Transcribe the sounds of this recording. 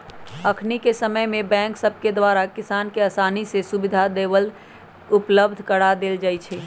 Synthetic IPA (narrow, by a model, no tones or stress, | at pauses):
əkʰnikesəməjmẽbɛ̃ːŋksəbʱked̪waɾakɪsaːnkeəsaːnisesubɪd̪ʱad̪eːbəl | ʊpləb̚d̪ʱkəɽad̪eːld͡ʒaːjt͡ʃʰɛ